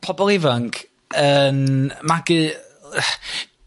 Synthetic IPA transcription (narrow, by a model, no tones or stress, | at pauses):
pʰɔbɔlˠɪvaŋk | ənmaɡɨ